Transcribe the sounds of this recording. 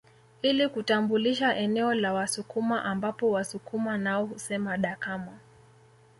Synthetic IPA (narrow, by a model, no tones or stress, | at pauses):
ilikutambuliʃaʔɛnɛɔlawasukumaʔambapɔwasukumanaɔhusɛmaɗakama